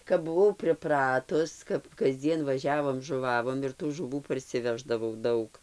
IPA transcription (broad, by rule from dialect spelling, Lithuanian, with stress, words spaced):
kɐp bʊˈʋɐʊ pʲrʲɪˈprɑːtʊs kɐp kɐzʲˈd͡zʲiɛn ʋɐˈʒʲæːʋoːm ʒʊˈʋɑːʋoːm ɪr tuː ʒʊˈʋuː pɐrʲsʲɪˈʋʲæːʒdɐʋɐʊ ˈdɐʊk